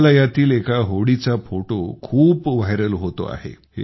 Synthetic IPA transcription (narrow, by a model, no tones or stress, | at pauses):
lajat̪iːlekaɦoɽit͡safoʈokʰuːpʋaɦjɾəlɦot̪o̰a̰ɦḛɦe